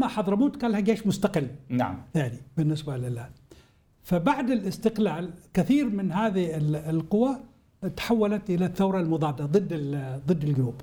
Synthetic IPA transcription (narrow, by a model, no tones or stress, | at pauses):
maħɑðˤɾˤɑmuːt̪kaːlhaɡeːʃmʊst̪aqɪlːna̰aʕnibɪnːɪsbalɪlaː | fabaʕd̪ɪlʔɪst̪ɪqlaːlkɪθiːɾmɪnɦaːðiɪlɪlqʊwːa | t̪ħawːalat̪ʔɪlaθːawɾˤɑlmʊðˤɑːd̪ːaðˤɨd̪ːɪlðˤɨd̪ːɪlɡʊnuːb